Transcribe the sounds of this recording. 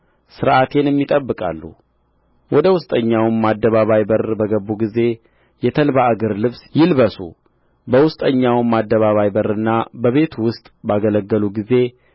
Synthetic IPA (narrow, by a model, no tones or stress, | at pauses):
sɨɾʔat̪ʰe̞njɛmːit̪ʼəbːɨkʼa̰lːṵ | wʔɔd̪əwʊst̪ʼəɲːawmːad̪ːəβaβajbərbəɡəbuɡize̞ | jɛt̪ʰəlbaaɡəɾlɨβsjɪlβəsṵ | bəwʊst̪ʼəɲːawmːad̪ːəβaβajbəɾɨnːabəβe̞t̪ʰwʊst̪ʼbaɡələɡːəluɡize̞